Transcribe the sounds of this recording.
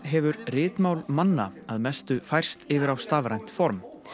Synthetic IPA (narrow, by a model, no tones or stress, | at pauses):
ɦɛvʏɾrɪːt̪mawlmanːa̰aðmɛst̪ʏfajr̥st̪ɪvɪɾawst̪aːvɾajn̥t̪fɔɾm